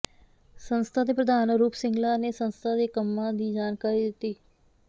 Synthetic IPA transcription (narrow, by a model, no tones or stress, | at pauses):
sənst̪ʰaːd̪eːpɾəd̪aːnɾuːpʰsɪŋɡlaːneːsənst̪ʰaːd̪eːkəmːãːd̪iːd͡ʒaːnkaːɾiːd̪ɪt̪ːiː